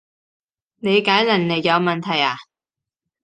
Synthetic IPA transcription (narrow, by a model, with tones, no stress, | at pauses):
ne˨˧jkaː˨˥jlɐ˨˩nne˨˧jjɐ˨˧wmɐ˨nt̪ʰɐ˨˩jaː˨˩